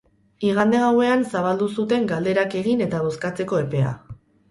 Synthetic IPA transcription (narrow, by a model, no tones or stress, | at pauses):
iɣand̪eɣawe̞ansaβ̞ald̪usut̪e̞ŋɡald̪e̞ɾake̞ɣine̞t̪aɣ̞o̞skat͡se̞ko̞e̞pe̞a̰